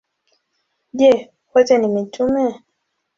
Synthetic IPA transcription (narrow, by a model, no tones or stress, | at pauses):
ʄɛ | kɔtɛnimitumɛ